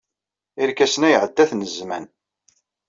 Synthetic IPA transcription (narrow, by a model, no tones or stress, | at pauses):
ɪɾkæsnæjəʕəd̪ːæθnəzmæ̰n